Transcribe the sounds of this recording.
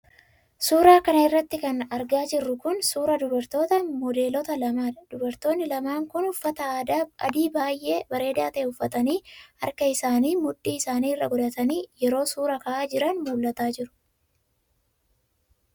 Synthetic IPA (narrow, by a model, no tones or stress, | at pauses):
suːɾaːkɐnɐɪrːɐt̪ːɪkɐnɐɾɡaːd͡ʒɪrːʊkʊnsuːɾɐd̪ʊbɐɾt̪o̞ːt̪ɐmɔd̪e̞ːlɔt̪ɐlɐmaːd̪̥ʊbɐɾt̪o̞ːnːɪlɐmaːŋkʊnʊfːɐt̪ɐaːd̪aːʔɐ̰d̪iːbaːjʔe̞ːbɐɾe̞ːd̪aːt̪ɐʔeʊfːɐt̪ɐniːɐ̰ɾkɐɪsaːniːmʊᶑːiːɪsaːniːɪrːɐɡɔd̪ɐt̪ɐniːjɛɾo̞ːsuːɾɐkɐʔaːd͡ʒɪɾɐnmuːlːɐt̪aːd͡ʒɪɾʊ̥